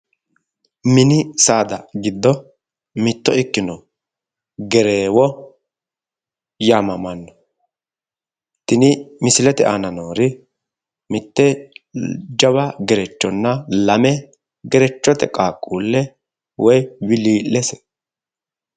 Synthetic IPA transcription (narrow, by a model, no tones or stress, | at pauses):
mɪnɪsaːd̪ɐɡɪd̪ːɔ | mɪt̪ːɔɪkːɪnɔ | ɡɛɾeːwɔ | jaːmɐmɐnːɔ̥ | t̪ɪnɪmɪsɪlɛt̪ɛʔanɐnoːɾɪ | mɪt̪ːɛ | d͡ʒɐβɐɡɛɾɛt͡ʃːɔnːɐlɐmɛ | ɡɛɾɛt͡ʃːɔt̪ɛkʼaːkʼːuːlːɛ | wɔjwɪliːlːɛsɛ̥